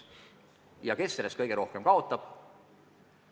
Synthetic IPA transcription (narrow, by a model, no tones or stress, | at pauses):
jɑke̞seɾeskɤjɡ̥eɾo̞hkemkɑo̞t̪ːˑɑb̥